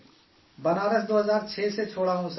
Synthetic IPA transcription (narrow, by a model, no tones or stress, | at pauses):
bənaːɾəsd̪oːɦəzaːɾt͡ʃʰeːseːt͡ʃʰoːɽaːɦõːs